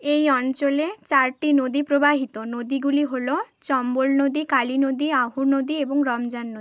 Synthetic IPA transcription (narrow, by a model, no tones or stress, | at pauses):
ejɔnt͡ʃolet͡ʃaɾʈinod̪ipɾobaɦit̪onod̪iɡuliɦolot͡ʃɔmbolnod̪ikaɭinod̪iaɦunod̪ieboŋɾɔmd͡ʒanːod̪i